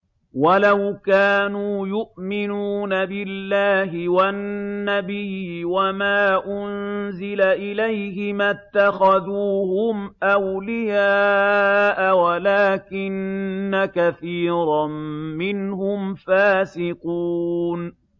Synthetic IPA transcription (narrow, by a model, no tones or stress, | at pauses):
walawkaːnuːjʊʔmɪnuːnabɪlːaːɦɪwanːabɪjːɪwamaːʔʊnzɪlaʔɪlajhɪmat̪ːaxaðuːhʊmʔawlɪjaːʔawalaːkɪnːakaθiːɾˤɑmmɪnɦʊmfaːsɪquːn